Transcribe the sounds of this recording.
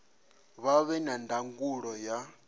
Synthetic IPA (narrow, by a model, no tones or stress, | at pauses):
βaβɛnandaŋɡuɺɔja